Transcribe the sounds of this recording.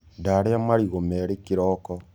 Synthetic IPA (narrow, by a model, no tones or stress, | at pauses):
daɾeamaɾiɣomɛɾekiɾɔkɔ